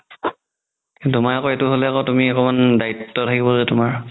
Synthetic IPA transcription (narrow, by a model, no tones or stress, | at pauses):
ktʊmaɹakɔɛtʊɦolɛakɔtumiɛkɔmandaitːɔtʰakibɔlɛtʊmaɹ